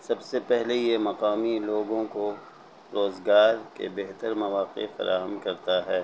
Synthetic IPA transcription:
sɐbsepɛɦlejemɐqaːmiloːɡõko | ɾoːzɡaːɾkḛbeɦt̪əɾmɐʋaːqḛfɐ̰ɾʔa̰ːɦəmkɐɾt̪aɦɛː

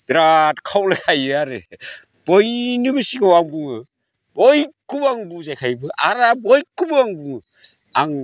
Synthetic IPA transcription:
dɾatkʰawlɯkʰajɯaɾɯ̰ | b̥ɔjnɯbɯsiɡawaŋbuŋɯ | bɔjkubaŋbuzajkʰajbɯʔa̰ɾabɔjkubɯaŋbu | aŋ

